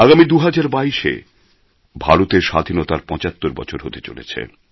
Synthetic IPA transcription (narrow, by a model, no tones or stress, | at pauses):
aɡamid̪uɦad͡ʑaɾbaiʃḛ | bʱaɾot̪eɾʃad̪ʱinot̪aɾpɔ̃t͡ɕat̪ːoɾbɔ̰t͡ɕʰoɾɦot̪et͡ɕo̰lḛt͡ɕʰḛ